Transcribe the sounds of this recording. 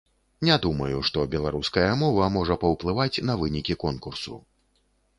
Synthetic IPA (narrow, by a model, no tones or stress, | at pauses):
nʲɛd̪umɐjuʂt̪ɔbʲɛlˠaɾuskɐjɐmɔvɐmɔʐɐpɐwplˠɨvat͡sʲn̪ɐvɨnʲikʲikɔnkursṵ